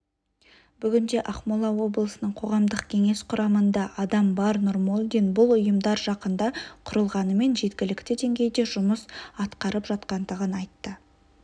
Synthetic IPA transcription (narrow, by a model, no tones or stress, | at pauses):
b̥ʏɡʲɪnd̪e̞ʔɑχmolˠɑwo̞blˠəsənəɴqʰo̞ʁɑmd̪əqkʲʰe̞ŋe̞sqʰʊɾʔɑmənd̪ɑʔɑd̪ɑmbɑɾnoɾmolʲˠd̪ijnbʊlˠʊjəmd̪ɑɾʒɑqənd̪ɑqʰʊɾəlˠʁɑnəme̞nʒe̞t̪kʲɪlɪkt̪ɪd̪e̞ŋɡʲe̞jd̪e̞ʒʊməsɑt̪qɑɾəpʒɑt̪qɑnd̪əʁənɑjt̪ːə